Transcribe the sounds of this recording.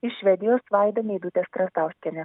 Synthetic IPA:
ɪʃʲʋʲɛd̪ʲɪjoːsʋɑˑɪd̪ɐmʲeːd̪ut̪ʲɛst̪ɾɐst̪ɑˑʊsʲkʲɛnʲɛ

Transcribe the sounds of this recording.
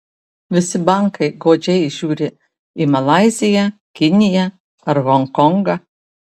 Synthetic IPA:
ʋʲɪsʲɪbɐŋkɐɪɡoːd͡ʒʲɛɪʒʲuːɾʲɪ | imɐlˠɑɪzʲɪjɛkʲɪnʲɪjɛ | ɐɾɣɔŋkɔŋɡɐ

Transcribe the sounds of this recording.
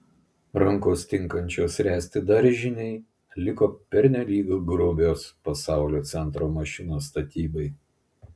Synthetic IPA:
ɾɐŋˑkoːst̪ʲɪŋˑkɐnʲt͡ʃʲoːsɾʲæːsʲt̪ʲɪd̪ɐɾʲʒʲɪnʲɛɪ | lʲɪkoːpʲɛɾʲnʲɛlʲiːɡoːɡɾʊbʲoːspɐsɑˑʊlʲoːt̪sʲɛnt̪ɾoːmɐʃʲɪnoːst̪ɐt̪ʲiːbɐɪ

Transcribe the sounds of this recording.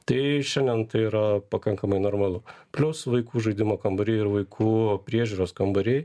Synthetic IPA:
t̪ɐɪʃʲɛnʲd̪ʲɛnt̪ɐɪiːɾɐpɐkɐŋkɐmɐɪnoːrmɐlˠʊpʲlʲʊsʋɐɪkuːʒɐɪd̪ʲɪmoːkɐmbɐɾʲeɪɾʋɐɪkʰuːpʲɾʲiɛʒʲuːɾoːskɐmbɐɾʲeɪ

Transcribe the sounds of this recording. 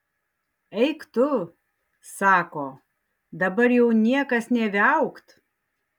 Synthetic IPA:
ɛɪkt̪ʊ | sɑːkoː | d̪ɐbɐɾjɛʊnʲiɛkɐsnʲɛʋʲɪɐʊkt̪

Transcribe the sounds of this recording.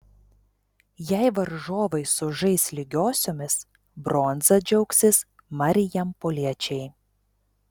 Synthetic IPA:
jæɪʋɐɾʒoːʋɐɪsʊʒɐɪsʲlʲɪɡʲoːsʲoːmʲɪs | bɾoːnzɐd͡ʒʲɛʊksʲɪs | mɐɾʲɪjɛmpoːlʲiɛt͡ʃʲɛɪ

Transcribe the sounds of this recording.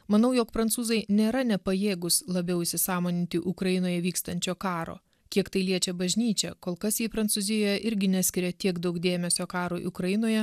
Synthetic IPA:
mɐnɐʊjoːkpɾɐnt̪suːzɐɪnʲeːɾɐnʲɛpɐjeːɡʊslˠɐbʲɛʊɪʃʲsʲɪsɑːmoːnʲɪnʲt̪ʲɪʔʊkɾɐjɪnoːjɛʋʲiːkst̪ɐnʲt͡ʃʲoːkɑːɾo̰ː | kʲiɛkt̪ɐɪlʲiɛt͡ʃʲɛbɐʒʲnʲiːt͡ʃʲɛ̰koːlˠkɐsjiːpɾɐnsʊzʲɪjoːjɛʔɪɾʲɡʲɪnʲæːsʲkʲɪɾʲɛt̪ʲiɛɡd̪ɐʊkd̪ʲeːmʲɛsʲoːkɑːɾuʔʊkɾɐjɪnoːjɛ

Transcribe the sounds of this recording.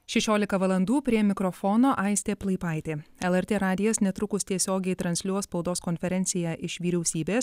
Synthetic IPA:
ʃʲɛʃʲoːlʲɪkɐʋɐlˠɐnd̪uːpʲɾʲiɛmʲɪkɾɔfɔːnoːʔɑɪsʲt̪ʲeːplˠɐɪpɑˑɪt̪ʲeːɛlˠɛɾʲt̪ʲeːɾɑːd̪ʲɪjɛsnʲɛt̪ɾʊkʊsʲt̪ʲiɛsʲoːɡʲɛɪt̪ɾɐnʲsʲlʲuɔspɐʊd̪oːskɔnʲfʲɛɾʲɛnʲt̪sʲɪjæːʔɪʃʋʲiːɾʲɛʊsʲiːbʲeːs

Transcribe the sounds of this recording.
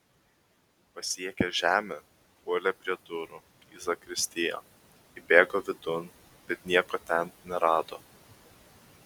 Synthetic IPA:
pɐsʲiɛkʲɛʒʲæːmʲe | puɔlʲɛpʲɾʲiɛd̪ʊɾʊ | iːzɐkɾʲɪsʲt̪ʲɪjo̰ː | ɪbʲeːɡoʋʲɪd̪ʊn | b̥ʲɛt̪nʲiɛkot̪ʲɛnnʲɛɾɑːd̪oː

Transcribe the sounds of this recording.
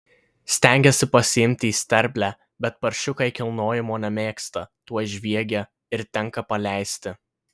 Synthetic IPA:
sʲt̪ʲɛˑŋʲɡʲɛsʲɪpɐsʲɪɪmʲt̪ʲɪiːsʲt̪ʲɛɾʲbʲlʲæ | bʲɛt̪pɐɾʲʃʲʊkɐɪkʲɪlˠnoːjɪmoːnʲɛmʲeːkst̪ɐt̪uɔʒʲʋʲiɛɡʲɛ | ɪɾt̪ʲɛŋkɐpɐlʲæɪsʲt̪ʲɪ

